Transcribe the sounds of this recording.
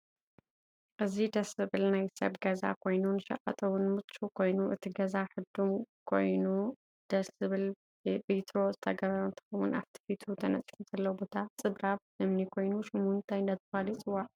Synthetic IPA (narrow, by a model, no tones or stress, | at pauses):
ʔɨzid̪ɐsɨβɨlnajsɐ̰βɡɐza̰kʰo̞jnunʃɐ̰qʼɐ̰t̪ʼɐwʊnmɨt͡ʃʼːukʰo̞jnuʔɨt̪ʰiɡɐzaħɨd̪umkʰo̞̰jnu | d̪̥ɐsɨβɨl | bit̪ʰɾo̞zɨt̪ʰɐɡɐβɐɾɐnt̪ʰɐ̥xɐwṵna̰ft̪ʰi̥fit̪ʰut̪ʰɐnɐ̰t͡sʼfumzɐlːɐwbo̞t̪ʰat͡sʼɨbɾaβʔɨmnikʰo̞jnuʃumunt̪ʰajnd̪ɐt̪ʰɨfalit͡sʼɨwaʕ